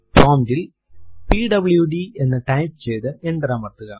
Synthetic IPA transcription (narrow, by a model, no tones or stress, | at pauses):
poːmd̪il | piːɖɐbljuɖie̞nːɨʈɐjpt͡ɕejt̪ɨeɳɖɐɾɐmɐrt̪ːuɣɐ